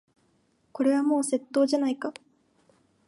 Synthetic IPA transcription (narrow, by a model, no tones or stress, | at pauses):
ko̞ɾe̞β̞amo̞ːse̞t̪ːo̞ːʑanaika